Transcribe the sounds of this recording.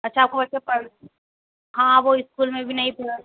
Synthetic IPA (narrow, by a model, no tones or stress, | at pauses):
ɐtːʃʰaːp̚kobɐtːt͡ʃepɐɾ | ɦãʋoɪskuːlmẽbʱinɐɦĩpɐɾa